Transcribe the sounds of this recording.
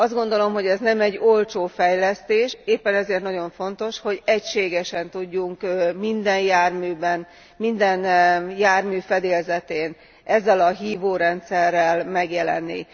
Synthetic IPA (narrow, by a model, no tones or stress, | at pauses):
ɒzd̪ɡo̞nd̪o̞lo̞mɦo̞ɟɛznɛmɛɟːo̞lt͡ʃoːfɛjlɛst̪eːʃeːpːɛnɛzeːrt̪nɒɟo̞ɱfo̞nt̪o̞ʃho̞ɟɛcʃeːɡɛʃɛnt̪uɟːuŋkmind̪ɛnjaːrmyːbɛn | mind̪ɛnjaːrmyːfɛd̪eːlzɛt̪eːn | ʔɛzːɛlɒɦiːvoːɾɛnt̪sɛrːɛlmɛɡjɛlɛ̰nːḭ